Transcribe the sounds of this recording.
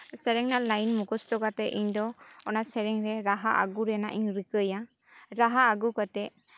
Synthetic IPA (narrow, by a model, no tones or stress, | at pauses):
sɛɾɛŋnalajnmukɔstɔkat̪ɛʔiɲdɔɔnasɛɾɛŋɾɛɾaɦaʔa̰ɡuɾɛna̰ʔiɲɾɯkəja | ɾaɦaːɡukat̪ɛ